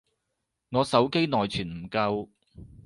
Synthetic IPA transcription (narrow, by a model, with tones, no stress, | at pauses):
ŋɔː˨˧sɐ˨˥wke˥jnɔː˨jt͡ʃʰyː˨˩nm̩˨˩kɐ˧w